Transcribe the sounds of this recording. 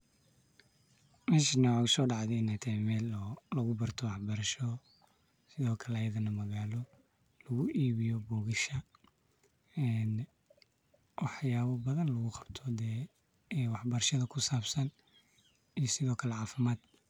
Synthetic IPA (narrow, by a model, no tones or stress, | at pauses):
mɛːʃinɐwaʊsɔːɖɑʕðɛnɐt̪ʰɛmɛːlɔlɐɣʊbɐrt̪ʰɔwɑħbɐɾɐʃɔ | sɪðɔːkʰɐlɛɐjɐðɐnɐmɐɣaːlɔ | lɐɣʊʔiːβɪjɔbɔːɣɪʃɐ | ɛn | wɑħjaːβɐbɐðɐnlɐɣʊqɑ̥bt̪ʰɔd̪ɛː | wɑħbɐɾɐʃɐðɐkʰʊsaːbsɐn | ijɔsɪðɔːkʰɐlɛʕɑːfɪmaːd̪̥